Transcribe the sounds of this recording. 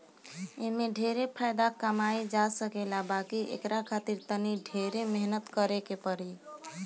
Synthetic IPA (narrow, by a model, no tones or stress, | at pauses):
eɦmeɖʱeɾepʰajd̪akəmajd͡ʒasəkelabakiʔḛkɾakʰat̪iɾt̪əniɖʱeɾemeɦnət̪kəɾekepəɾi